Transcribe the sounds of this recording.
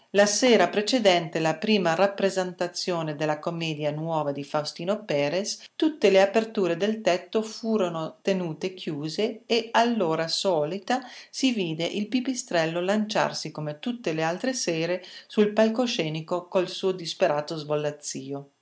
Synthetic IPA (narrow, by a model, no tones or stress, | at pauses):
laseːɾapɾet͡ʃed̪ɛnt̪elapɾiːmarapːɾezent̪at̪sːjoːned̪elːakomɛːd̪janwɔːvad̪ifawst̪iːnopɛːɾest̪ut̪ːeleapert̪uːɾed̪elt̪ɛt̪ːofuːɾonot̪enuːt̪ekʰjuːzeːalːoːɾasɔːlit̪asiviːd̪eʔilpipist̪ɾɛlːolant͡ʃa̰rsikomet̪ut̪ːelealt̪ɾesɛːɾesulpalkoʃɛːnikokolsuːod̪ispeɾaːt̪ozvolːat̪sːiːo